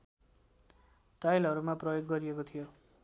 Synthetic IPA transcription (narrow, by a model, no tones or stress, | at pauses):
ʈajlʌɾumaprʌjoɡːʌɾiekot̪ʰijo